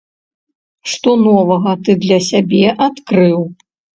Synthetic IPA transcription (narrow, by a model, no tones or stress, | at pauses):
ʂt̪ɔnɔvɐɣɐt̪ɨd̪lʲɐsʲabʲɛʔat̪kɾɨw